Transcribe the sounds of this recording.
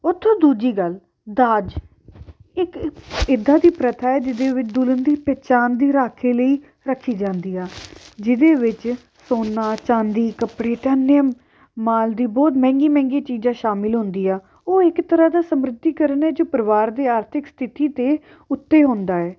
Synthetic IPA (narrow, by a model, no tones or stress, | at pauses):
ʊt̪ʰːõːd̪uːd͡ʒiːɡəl | d̪aːd͡ʒ | ɪkɪd̪aːd̪iːpɾət̪ʰaːɛːd͡ʒɪd̪eːʋɪt͡ʃd̪ʊlənd̪iːpɛːt͡ʃaːnd̪iːɾaːkʰeːləiː | ɾəkʰːiːd͡ʒãːnd̪iːaːd͡ʒɪd̪eːʋɪt͡ʃ | soːnaːt͡ʃãːnd̪iːkəpɽeːt̪ɛːneəm | maːld̪iːbɔːt̪mɛ̃ːŋɡiːmɛ̃ːŋɡiːt͡ʃiːd͡ʒãːʃaːmɪlɦʊ̃nd̪iːɛː | oːɪkt̪əɾaːd̪aːsəmɾɪd̪ːiːkəɾənɛːd͡ʒoːpəɾʋaːɾd̪eːaːɾt̪ʰɪkst̪ʰɪt̪iːt̪eː | ʊt̪ːeːɦõːnd̪aːɛː